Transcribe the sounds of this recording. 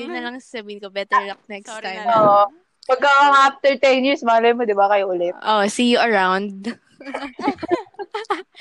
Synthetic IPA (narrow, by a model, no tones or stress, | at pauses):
dɪnːɐlɐŋsasɐbiːhɪnkobɛt̪ɛɹlɐk̚nɛkst̪ːajmoʔo | pɐɡ̚kɐwɐŋʔaft̪ɛɹt̪ɛnjiɹsmɐɐlɐjonmod̪ɪbakɐjoʔʊlɛʔoʔsijʊʔɐɹawnd̪̚